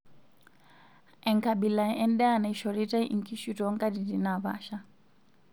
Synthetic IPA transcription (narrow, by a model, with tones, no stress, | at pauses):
ɛ˨ŋka˨bila˨ʔɛndɛ˦a˨na˨iʃɔɾi˦ta˦iŋki˦ʃutɔŋkʼadi˨di˨na˨βa̰ː˦ʃa˦